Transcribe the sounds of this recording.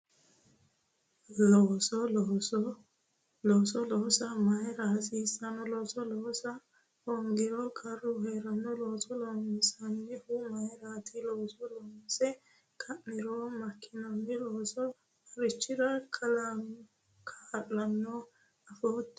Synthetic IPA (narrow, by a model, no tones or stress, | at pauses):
lɔsɔlɔsɔ | loːsɔloːsɐmɐjɾaːsisɐnɔlɔːsɔlɔsɐ | hɔŋɡɪɾɔkʼɐrːʊheːɾɐnːɔloːsɔloːŋɡɪsɐnːɛhʊmɐjɾaːt̪ʰɪloːsɔlɔːŋsɛ | kʰɐmːɪɾomɐkʰːɪnɐnːɛloːsɔ | ɐɾɪt͡ʃːɪɾɐkʰʼɐlan | kʰaːlːɐnːɔ | ɐfoːt̪ː